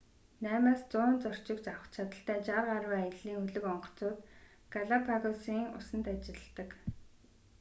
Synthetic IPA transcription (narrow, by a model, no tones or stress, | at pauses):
næːmaːst͡sʊːnt͡sɔr̥t͡ɕɪ̆kt͡ɕawə̥̆χt͡ɕʰat̪ə̆ɬt̪æːt͡ɕarʁaɾwːaj̆ɮiːŋɵɮɵ̆kɔɴɢɞ̥̆t͡sʊːt̪ | ɡ̥aɮapʰaɣɔsiːŋʊ̰sə̆nt̪at͡ɕɪ̆ɮ̆t̪ə̆k